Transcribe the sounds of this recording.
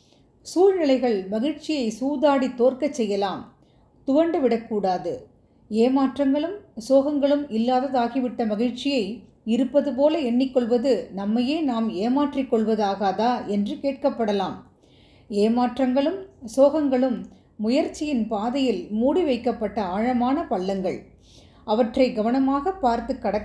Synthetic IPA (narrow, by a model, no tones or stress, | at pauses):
suːlnɪlɐɪɣɐɭmɐɣɪɻt͡ʃɪjɐɪsuːðaːɽit̪ːoːrkɐt͡ʃsɛjːɐlaːm | t̪ʊʋɐɳɖɯʋɪɽɐkːuːɽaːðɯ | eːmaːʈrɐŋɡɐɭɯmsoːɣɐŋɡɐɭɯmɪlːaːðɐðaːɣiʋɪʈːɐmɐɣɪɻt͡ʃɪjɐɪ | ɪɾɯpːɐðɯp̬oːlɐɛɳːɪkːɔɭʋɐðɯnɐmːɐjeːnaːmeːmaːʈrɪkːɔɭʋɐðaːɣaːðaːʔɛndrɯkeːʈ̚kɐpːɐɽɐlaːm | eːmaːʈrɐŋɡɐɭɯmsoːɣɐŋɡɐɭɯmː | ʊjɐɾt͡ʃːɪjɪnpaːðɐjɪlmuːɽiʋɐɪkːɐpːɐʈːɐaːɻɐmaːnɐpɐɭːɐŋɡɐɭ | ʔɐʋɐʈrɐɪɡɐʋɐnɐmaːɣɐpːaːɾt̪ɯkːɐɽɐkː